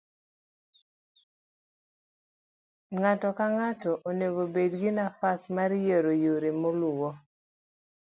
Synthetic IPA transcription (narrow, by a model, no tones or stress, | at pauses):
ŋatɔkaŋatɔʔoneɡobedɡɪnafasmaɾjeɾojoɾimolʊwɔ